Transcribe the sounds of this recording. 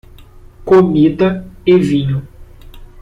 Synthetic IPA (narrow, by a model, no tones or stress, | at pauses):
komid̪ɐevĩɲʊ